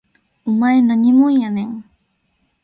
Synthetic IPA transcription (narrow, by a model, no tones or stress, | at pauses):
ʊmajnaɲɪmʊjaneŋ